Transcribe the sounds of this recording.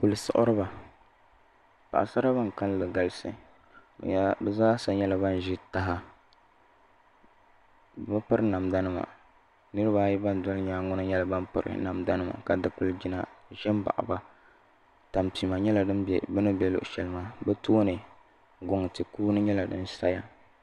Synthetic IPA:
pu˨lɨ˨sʊ̰˨ʔʊ̰˦ɾɨ˦ba˨ | pa̰˨ʔa̰˨sa˦ɾa˦ba˦ŋ˨ka˦llɨ˨ɡa˦lɨ˦sɨ̰˨˦ | bɛ˦zaː˦sa˦ɲɲɛ˦la˨ba˦n˨ʒɪ˦ta˦ɦa˦ | ba˦pɨ˦ɾɨ˦na˨mda˦nɨ˦ma̰˨ | nɨ˦ɾɨ˦baː˦ji˦ba˦n˨dʊ˦lɲaː˦ŋʊ˦nɨ˦ɲɛ˦la˨ba˦n˦pɨ̰˨ɾɨ̰˨na˨mda˦nɨ˦ma̰˨ka˨dɨ˨˦pɨ˦ld͡ʒi˦na˨ʒɛ˦m˦ba̰˨ʔa̰˨ba˦ | ta˨mpi˨ma˨ɲɛ˦la˨dɨ˦nbɛ̰˨bɨ˦nɨ˦bɛ˦lʊ̰˨ʔʃɛ˨lɨ˦ma˦bɛ˦toː˦nɨ˨ | ɡʊ˨ŋ˨tɨ˨kuː˦nɨ˦ɲɛ˦la˨dɨ˦n˦sa˦ja˦

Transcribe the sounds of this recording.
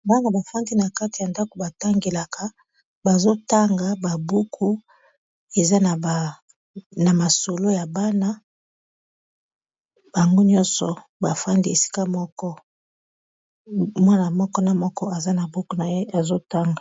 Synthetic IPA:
nba˦ŋɡa˨ba˨fa˦ndi˦na˨ka˦ti˨ja˨nda˦ko˨ba˨ta˦ŋɡe˨la˨kʰa˦ | ba˨zo˦ta˦ŋɡa˨ba˨bu˦kʰu˦ | e˨za˦n˨ | na˨ma˨so˨lo˦ja˨ba˦na˦ | b̥a˨ŋɡo˦ɲɔ˦nsɔ˨ | ba˨fa˦ndi˦e˨si̥˦ka˦mɔ˦kɔ˦ | mwa˦na˨mɔ˦kɔ˦na˨mɔ˦kɔ˦a˨za˦na˨bu˦ku˦na˨je˦a˨zo˦ta˦ŋɡa˨

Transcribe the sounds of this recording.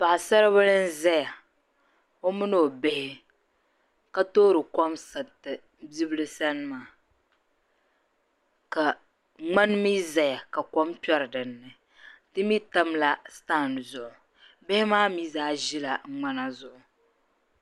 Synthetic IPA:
pa˨ʔsa˦ɾɨ˦βɨ˦lɨ˦n̩˦zɛ˦ja˨ | o˦mɨ˦no˦˨be˦hɪ˦ | ka˦toː˦ɾɨ˨kɔ˦msa˨tɨ˨ | bi˦bɨ˦lɨ˦sa˦nɨ˦maː˨ | ka˨ | ŋ͡ma˦nmi˦za˨ja˨ka˨kɔ˦mpɛ˦ɾɨ˨dɨ˨nːɨ˨ | tɨ˦mi˦ta˦mla˦staː˦˨n˨zʊ˨ʔʊ˨ | be˦hɪ˦maː˦mi˦zaː˦ʒi˦la˨˦ŋ͡ma˦na˦zʊ˨ʔʊ˨

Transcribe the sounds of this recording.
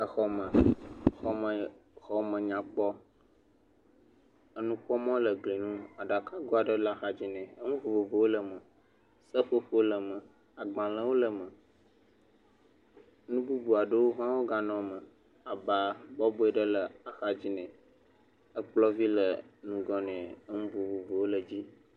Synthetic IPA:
ə˨xɔ˦mə̃˨xɔ˦ə˨xɔ˦mə̃˨ɲã˨k͡pɔ˦ | ə˦nũ˦ɸɔ˦mɔ̃˦lə˨ɡli˨nũ˦a˨ɖa˨ka˦ɡo˦a˨ɖə˦lə˨a˨xa˨d͡ʑi˦nɛ̃˨ə˦ŋũ˦vo˨vo˨vo˨wo˦lə˨mə̃˨ | sə˦ɸo˦ɸo˦lə˨mə̃˨ | a˨ɡ͡bã˨lə̃˨wo˦lə˨mə̃˨ | nũ˦bu˦bu˨a˨ɖə˦wo˦ɦã˦wo˦ɡa˦nɔ̃˨mə̃˨ | a˨ba˨bɔ˦bo˦ɛ˦ɖə˦lə˨a˨xa˦d͡ʑi˦nɛ̃˨ | ə˦k͡plɔ˦vi˦lə˨nũ˨ɡɔ˦nɛ̃˨ə˦ŋũ˦vo˨vo˨vo˨wo˦lə˨d͡ʑi˦

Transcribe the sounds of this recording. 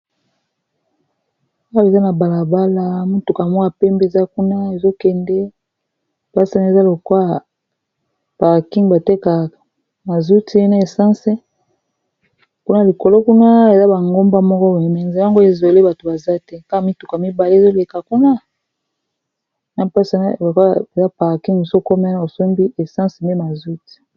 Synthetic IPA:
a˦we˨za˦na˨ba˨la˨ba˦la˦mu˦tu˨ka˨mɔ˦a˨pɛ˦mbe˦e˨za˦ku˦na˦e˨zo˦kɛ˨ndɛ˦ | b̥a˦sa˦na˨e˨za˦lo˨kwa˦˨ | pa˨ʁki˦ŋba˨te˦ka˨ | ma˨zu˦ti˦na˨e˨sã˦sɛ˦ | ku˦na˦li˨ko˨lo˦ku˦na˦e˨za˦ba˨ŋɡo˦mba˦mɔ˦kɔ˦ba˨mɛ˨ŋ˨za˨˦ŋɡo˦e˨zo˨le˦ba˨to˨ba˨za˦tɛ˦ka˦ka˦mi˦tu˨kmi˦ba˨le˦e˨zo˦le˨ka˨ku˦na˦ | na˨pa˦sa˨na̰˦˨lo˨ka˦e˨za˦pa˨ʁki˦ŋmi˨so˦˨ko˦m˦na˦˨o˨so˦mbi˦ʔe˨sã˦se˨me˦ma˨zu˦ti̥˨

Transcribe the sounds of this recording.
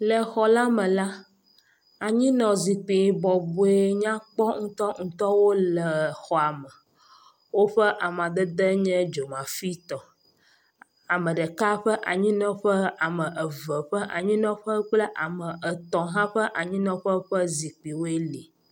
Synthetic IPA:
lə˨xɔ˨la˦mə̃˨la˦ | a˨ɲĩ˦nɔ̃˨zi˨k͡pi˨bɔ˨bu˨e˦ɲã˦k͡pɔ˦ŋ̩˦t̪ɔ˦ŋ̩˦t̪ɔ˦wo˦lə˨xɔ˨a˨mə˨ | wo˦ɸə˦ʔa˨m˨ã˨d̪ə˦d̪ə˦ɲɛ̃˦d͡ʒo˨mã˨fi˦t̪ɔ˨ | a˨mə̃˨ɖə˨ka˦ɸə˦ʔa˨ɲĩ˦nɔ̃˦ɸə˦a˨mə̃˨ʔə˨və˨ɸə˦ʔa̰˨ɲĩ˦nɔ̃˦ɸə˦k͡plə˦ʔa˨mə̃˨ʔə˨t̪ɔ̃˨ɦã˦ɸə˦ʔa˨ɲĩ˦nɔ̃˨ɸə˦ɸə˦zi˨k͡pi˨wo˦e˦li˨

